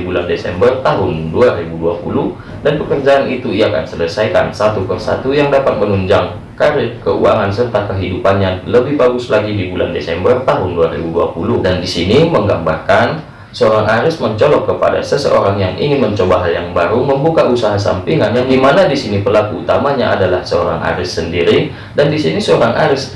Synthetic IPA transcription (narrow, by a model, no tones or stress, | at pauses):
bulandesɛ̰mbərt̪aɦʊnduaɾibuduapuluh | danpəkərd͡ʒaːnit̪uiaka̰nsələsajka̰nsat̪upərsa̰t̪ujaŋdapat̪̚mənuɲd͡ʒaŋ | kaɾɪkəṵaŋansərt̪akəɦidupanɲaləbɪhbaɡʊslaɡidibula̰ndesɛmbərt̪aɦʊnduaɾḭbudua̰puludandisiniməŋɡambarkan | səoɾaŋʔaɾɪsməɲt͡ʃolɔkːəpa̰da̰səsə̰ʔo̰ɾaŋjaŋḭŋɪnməɲt͡ʃobaɦaljaŋbaɾuməmbukaʔusaɦasa̰mpiŋanjaŋɡimanadisinipərlakuṵt̪amaɲa̰ʔa̰dalahsəo̰ɾa̰ŋʔa̰ɾɪsːəndiɾi | dandisinisəoɾaŋʔaɾɪs